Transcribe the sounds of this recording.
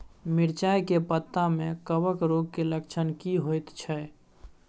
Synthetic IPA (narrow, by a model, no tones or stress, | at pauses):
miɾt͡ʃajkepət̪ːamekəbəkɾoɡ̚keləkt͡ʃʰənkiɦojt̪t͡ʃʰɛ